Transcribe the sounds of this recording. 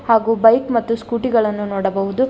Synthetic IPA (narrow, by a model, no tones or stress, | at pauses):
haːɡuːbɐjkmɐt̪ːuskuːʈiɡɐɭɐnːunoːɽɐbɐɦud̪u